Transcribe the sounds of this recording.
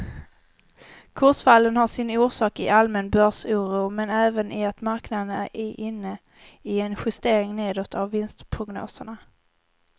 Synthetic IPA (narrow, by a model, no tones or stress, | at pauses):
kʰʊʂfalːənhaʂɪnuːʂɑːkɪʔalmɛnbœʂuːɾuːmɛnɛːvənʔɪat̪maɾknad̪ənæ̰ɾɪʔɪnːə | ɪɛnɧɵst̪eːɾɪŋneːd̪ɔt̪ʰːavːɪnst̪pʰɾʊɡno̰ːsəɳa